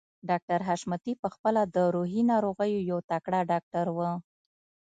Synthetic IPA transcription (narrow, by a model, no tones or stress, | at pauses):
ɖɑk̚ʈaɾɦaʃmət̪ipəxpəlad̪əɾoɦinɑɾoɣəjojawt̪akɽaɖɑk̚ʈaɾwə